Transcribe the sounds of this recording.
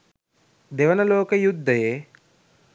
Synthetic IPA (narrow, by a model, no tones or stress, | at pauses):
d̪eʋɐnɐloːkəjud̪ʱːɐje